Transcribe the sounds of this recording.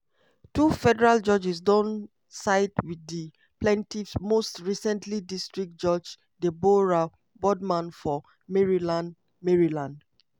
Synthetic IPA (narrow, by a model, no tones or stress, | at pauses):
tufɛdɛɹald͡ʒɔd͡ʒis̬dɔ̃n | saɪtwidi | plɛ̃ntifsmostɹisɛ̃ntʰlidistɹik̚d͡ʒɔd͡ʒ | deboɹa | bɔdmãnfɔ | mɛɹilãn | mɛɹilãnd